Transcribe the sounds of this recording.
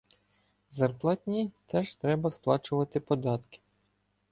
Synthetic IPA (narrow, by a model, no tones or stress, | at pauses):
zɐrplˠɑt̪ʲnʲit̪ɛʒt̪ɾɛbɐsplˠɑt͡ʃʊʋɐt̪ɪpɔd̪ɑt̪kɪ̥